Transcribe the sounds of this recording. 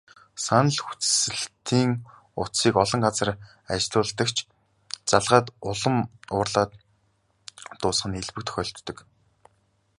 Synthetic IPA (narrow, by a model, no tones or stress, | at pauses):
sanə̆ɮxu̥t͡ssɘ̆ɮt̪ʰiːŋ | ʊsiːkɔɮɞ̆ŋɢat͡sə̆r | at͡ɕɮʊːɮt̪ə̆kt͡ɕʰ | t͡saɮʁaːt̪ʊɮə̆mʊːrɮaːt̪ | ʊːsχə̆neɮpɘ̆k̚t̪ʰxʲœːɬt̪ːɵ̆k